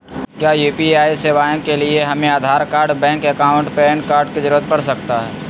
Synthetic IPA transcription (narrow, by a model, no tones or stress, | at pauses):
kjaːjuːpiaːiseːʋaːjõkelieɦɐmẽaːd̪ʱaːɾkaːɾɖbɛ̃ːŋkɐkaːʊ̃ɳʈpɛːɳkaːɾɖked͡ʒɪɾuʋət̪̚pɐɾsɐkt̪aɦɛː